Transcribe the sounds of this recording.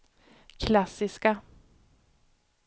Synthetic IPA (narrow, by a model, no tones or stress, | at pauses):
kʰlasɪska